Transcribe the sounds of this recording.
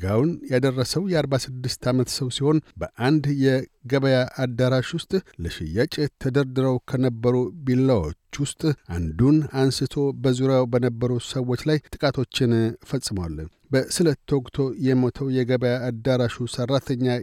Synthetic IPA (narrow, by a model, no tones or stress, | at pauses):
ɡawnjad̪ərːəsəwjɛaɾbasɨd̪ːɨst̪ʰamət̪səwsiho̞nbəʔand̪jɛɡəβəjaʔad̪ːaɾaʃwʊst̪ʼlɨʃɪ̰jːat͡ʃʼɪt̪ʰəd̪əɾd̪ɨɾəwkʰənəbːəɾubilːawo̰t͡ʃːwʊst̪ʼʔa̰nd̪unansɨt̪ʰo̞bəzuɾjawbənəbːəɾusəwːo̞t͡ʃːlajt̪ʼɨkʼat̪ʰo̞t͡ʃːɪnfəsʼːɨməwalːəɲ | bəsɨlət̪ʰːwokʼt̪ʰo̞jɛmot̪ʰəwjɛɡəβəjaːd̪aɾaʃusərːat̪ʰəɲːa